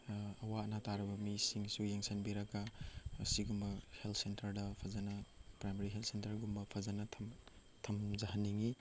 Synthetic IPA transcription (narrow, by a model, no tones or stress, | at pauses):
ɐwaɐnataɾɐbɐmisiŋsujeŋsɐnbiɾɐkaːsiɡumbɐheltʰsentɐɾdɐpʰɐzanɐpɾajmaɾiɦeltsentɐɾɡumbɐpʰɐzanɐtʰm | tʰɐmzɐɦɐnːiŋi